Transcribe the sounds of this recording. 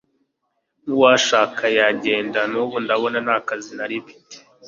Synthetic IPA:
nuwaːʃaːkʰajaɟe̞ːndanuβundaβo̞nanaːkazinaɾifi̥te̥

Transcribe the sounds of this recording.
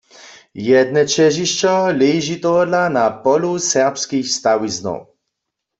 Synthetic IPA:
jɛd̪nɛt͡ʃɛʒiʃt͡ʃɔlɛjʒit̪ɔɦdlanapɔlusɛʁpskixst̪awiznɔ̰w

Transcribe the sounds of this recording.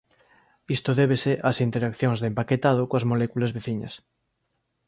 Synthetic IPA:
ist̪oðɛβ̞eseʔasint̪eɾakθjoŋzðempaket̪að̞okoɐzmolɛkulɐzβeθiɲɐ̰s

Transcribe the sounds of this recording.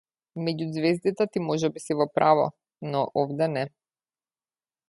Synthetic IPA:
mɛɟuzvɛzd̪it̪ɛt̪imɔʒɛbisivɔpɾʔavɔ̰ | nɔʔɔvd̪ɛnɛ

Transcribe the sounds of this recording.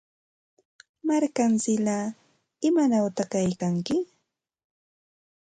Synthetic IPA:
maɾkant͡sɪlaː | ɪmanawt̪akajkaŋkɪ

